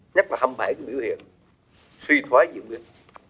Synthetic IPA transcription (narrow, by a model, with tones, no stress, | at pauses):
ɲə˦˥t̚laː˨˩ha˧mɓa˧˩jku˨˩˦ɓḭ˧˩əwhḭ˧˨ən | swi˧t̪ʰwaː˨˦jzɨ̰˧˨ŋ͡mɗi˧ə